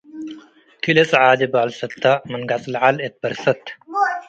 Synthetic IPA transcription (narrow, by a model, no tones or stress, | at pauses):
t̪ʰilet͡sʼʕaːd̪ebaːlsɐt̪ʰːamɐnɡat͡sʼlʕalet̪̚bɐɾsɐt̪